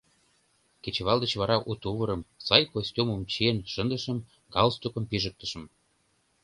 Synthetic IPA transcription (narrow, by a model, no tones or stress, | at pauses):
ket͡ɕβɑld̪ə̆t͡ɕβɑɾɑʔut̪uβɤ̆ɾə̆msɑjkosʲtʲuməmt͡ɕienʃə̆nd̪əʃə̆m | ɡɑlst̪ukə̆mpiʒə̆k̚t̪ə̆ʃə̆m